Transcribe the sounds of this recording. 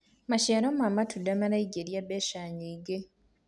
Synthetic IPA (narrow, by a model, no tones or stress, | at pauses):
maʃaːnomamatʰudːamalaiɟeɾjabeʃaːɲiiɡe